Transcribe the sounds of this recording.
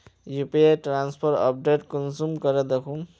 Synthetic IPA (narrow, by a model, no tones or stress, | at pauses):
jupieʈɾanspʰoɾʈɔ̰p̚ɖeʈkɔnsumkʌɾʌd̪ekʰũ